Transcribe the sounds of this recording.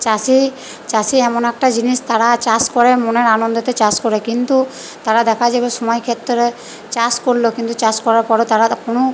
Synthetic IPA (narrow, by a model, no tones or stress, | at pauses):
t͡ɕasi | t͡ɕasiɛmonɛk̚ʈad͡ʑiniʃt̪aɾat͡ɕaskɔɾemoneɾanond̪ot̪et͡ɕaskɔɾekint̪u | t̪aɾad̪ɛkʰad͡ʑabeʃɔmɔjkʰet̪ːoɾe | t͡ɕaskoɾlokint̪ut͡ɕaskɔɾaɾpɔɾet̪aɾakono